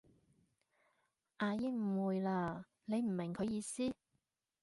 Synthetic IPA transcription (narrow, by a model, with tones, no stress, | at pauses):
ʔaː˧jɪ˥k̚m̩˨˩wuː˨˧jlaː˧ | ne˨˧jm̩˨˩mɪ˨˩ŋkʰɵ˨˧ɥjiː˨˧siː˥